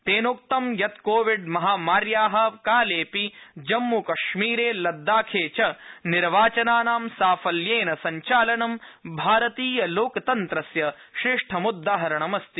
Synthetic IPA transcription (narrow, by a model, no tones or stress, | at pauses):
t̪eːnoːk̚t̪ɐmjɐt̪koːʋiɖmɐɦaːmaːɾjaːɦɐ̆kaːleːpid͡ʒɐmːukɐʃmiːɾeːlɐd̪ːaːkʰeːt͡ʃɐniɾʋaːt͡ʃɐnaːnaːmsaːfɐljeːnɐsɐɲt͡ʃaːlɐɳɐmbʱaːɾɐt̪iːjɐloːkt̪ɐnt̪ɾɐsjɐ | ʃɾeːʂʈʰɐmud̪ːaːɦɐɾɐɳɐmɐst̪i